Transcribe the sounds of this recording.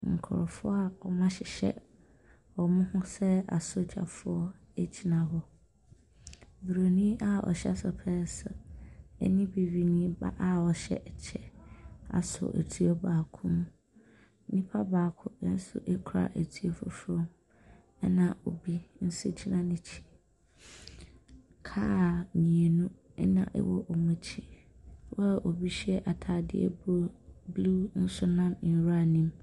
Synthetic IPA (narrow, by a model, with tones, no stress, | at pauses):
ŋ̩˨kʰʊ̰˨ɾʊ˨fʊ˦a˨ɔ˨mã˦ɕɪ˨ɕɛ̰˦ | ɔ˨mʊ̃˦hʊ̃˦sɛ˦a̰˨so˦t͡ɕʰa̰˨fʊ˦ɔ˦ | e˨d͡ʑʰi˦nã˨hɔ˦ | bu˨ɾo˨nĩ˦ʔa˦ɔ̰˨ɕɛ˦sʊ˨pʰɛ˦sʊ˨ɛ̰˦nĩ˦bi˨wi˨nĩ˦ba̰˦ʔa˦ɔ˨ɕɛ̰˦ʔt͡ɕʰɛ˦˨a̰˨sʊ̰˨ʔḛ˨tʰi˦ɔ˦baː˨kʰʊ̃˦mũ˦ | n̩˦nĩ˦pʰa˦baː˨kʰʊ˦n̩˦sʊ̰˦ʔɛ˦kʰʊ˨ɾa̰˨ʔe˨tʰi˦e˦fʊ˦fʊ˦ɾɔ̃˦m | ɛ˦nã˨o˨bi˦n̩˦se˦t͡ɕʰi˦nã˦nɪ̃˦t͡ɕʰi̥˨ | kʰa˦˨mĩ˨e˨nũ˦ | ɛ˦nã̰˨ʔɛ̰˨wɔ˦ʔɔ˨mũ˦t͡ɕʰi˦ | wɔ˦˨ʔo˨bi˦ɕɛ˦ʔa˨tʰaː˨dɪ̰˦ɛ̰˦bblu˦n̩˦sʊ˦nã˦m˨n̩˨ɾa˨nĩ˦m